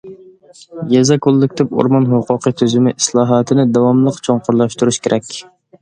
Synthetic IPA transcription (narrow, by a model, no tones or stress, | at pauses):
jɛzɛkʰolˠːɪkʲt̪ʰɪpo̰ɾmɑnɦoqʰʊqʰət̪ʰyzymɪʔislˠɑːɦɑt̪ʰɪnɪd̪ɑwɑmlˠəqt͡ʃʰoŋqʰʊɾlˠɑʃt̪uɾuʃkʲeɾʔɛkʲ